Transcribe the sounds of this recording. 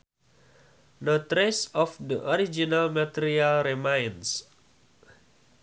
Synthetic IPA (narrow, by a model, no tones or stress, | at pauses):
not̪ɾesɔfdəʔɔɾid͡ʒinalmat̪iɾialremãjns